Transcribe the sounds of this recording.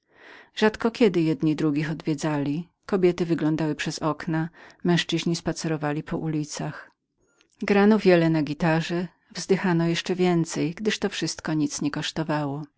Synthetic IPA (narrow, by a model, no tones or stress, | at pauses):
ʐ̥at̪kɔkʲɛd̪ɘjɛd̪ɲid̪ɾuɡʲixɔd̪vʲjɛd̪zalʲi | kɔbʲjɛt̪ɘvɘɡlɔnd̪awɘpʂɛzɔknamɛ̃w̃ʂt͡ʂɘʑɲispat̪sɛɾɔvalʲipʰɔʔulʲit̪sax | ɡɾanɔvʲjɛlɛnaɡʲit̪aʐɛ | vzd̪ɘxanɔjɛʂt͡ʂɛvʲjɛnt̪sɛjɡd̪ɘʂt̪ɔfʂɘst̪kɔɲit̪sɲɛkɔʂt̪ɔvawɔ